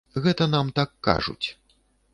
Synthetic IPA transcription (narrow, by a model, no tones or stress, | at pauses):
ɣɛt̪ɐnamt̪akːa̰ʐṵt͡sʲ